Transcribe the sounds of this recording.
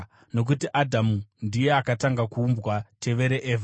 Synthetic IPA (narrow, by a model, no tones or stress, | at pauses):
no̞k̬utiʔadʱamundije̞akataŋɡakuːmbwatʰe̞ʋe̞ɾe̞ʔeːva